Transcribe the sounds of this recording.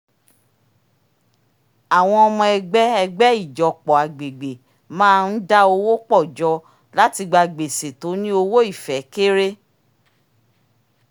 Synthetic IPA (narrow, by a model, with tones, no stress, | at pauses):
a˨w̃ɔ̃˧ɔ˧mɔ̃˧ɛ˧ɡ͡bɛ˦ɛ˧ɡ͡bɛ˦i˦˨d͡ʒɔ˨k͡pɔ˨a˨ɡ͡be˨ɡ͡be˨ | mãː˦˧n̩˦da˦o˧wo˦k͡pɔ˦˨d͡ʒɔ˧˦ | la˦ti˧ɡ͡ba˧ɡ͡be˨se˨to˨˦nĩ˦o˧wo˦i˦˨fɛ˨˦ke˦ɾe˦